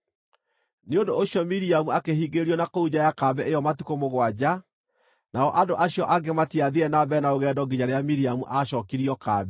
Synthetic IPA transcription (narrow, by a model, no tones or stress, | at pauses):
neondooɕiɔmiɾiamuakehiːɡeɾiɔnakouɲajakabɛʔeɔmatikomoɣwad͡ʑa | naɔʔadoʔaɕjɔʔaɡematiaðiɾɛnabɛnaoɣɛdɔɡiɲaɾeamiɾiamuʔaɕɔkiɾiɔkaːbɛ